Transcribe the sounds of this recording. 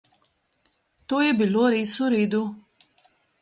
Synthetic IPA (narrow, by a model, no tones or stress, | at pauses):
t̪oːjɛbiloːɾeːsuɾeːd̪u